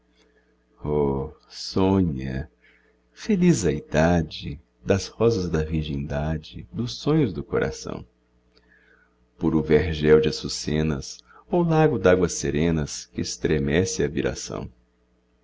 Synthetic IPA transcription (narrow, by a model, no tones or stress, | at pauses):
ɔsõɲɐ̰ | felizɐid̪ad͡ʒɪ | d̪ɐshɔzɐzd̪ɐviɾʒẽnd̪ad͡ʒɪd̪ʊsõɲʊzd̪ʊkoɾʔa̰sɐ̰̃w̃ | poɾʊveɾʒɛwd͡ʒɪɐsusẽnɐ̰sowlaɡʊd̪aɡwɐseɾẽnɐskɪːst̪ɾemɛsɪɐviɾa̰sɐ̰̃w̃